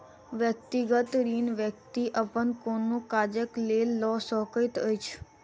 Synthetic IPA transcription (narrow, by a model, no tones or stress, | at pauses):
ʋjək̚t̪iɡət̪ɾinʋjək̚t̪iʔəpənkonːũkad͡ʒəklelːɔsɔkəjt̪əjt͡ʃʰ